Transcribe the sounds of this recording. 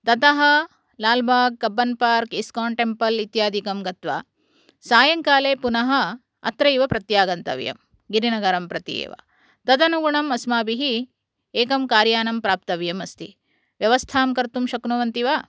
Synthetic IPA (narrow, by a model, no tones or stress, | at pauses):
t̪ɐt̪ɐɦɐ̆ | laːlbʱaːɡ̚ːɐbːɐnpaːɾkiskaːɳʈempɐlit̪jaːd̪ʱikɐmɡɐt̪ʋa̰ː | saːjɐŋkaːleːpunɐɦɐ | ɐ̰t̪ɾɐjiʋɐpɾɐt̪jaːɡɐnt̪ɐ̰ʋjɐ̰m | ɡiɾinɐɡɐɾɐmpɾɐt̪ḭḛːʋɐ̰ | t̪ɐd̪ɐnuɡuɳɐmɐsmaːbiɦi | eːkɐmkaːɾjaːnɐmpɾaːp̚t̪ɐʋjɐmɐst̪i | ʋjɐʋɐst̪ʰaːmkɐɾt̪umʃɐknuʋɐnt̪iʋa